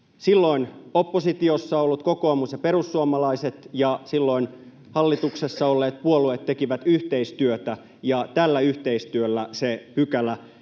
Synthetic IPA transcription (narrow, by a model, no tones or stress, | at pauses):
silːoinopːosit̪iosːɑolːut̪̚kokoɑmusjɑpeɾusːuomɑlɑiset̪jɑsilːoin | hɑlːit̪uksesːɑolːeːt̪̚puoluet̪tːekiʋæt̪yht̪eist̪yøt̪æ | jɑt̪ælːæyht̪eist̪yølːæsepykælæ